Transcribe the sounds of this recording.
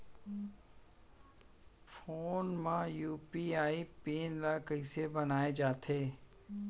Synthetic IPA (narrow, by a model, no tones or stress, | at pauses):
foːnmãjuːpiaːipiːnlakəisebənaːed͡ʒaːt̪ʰeː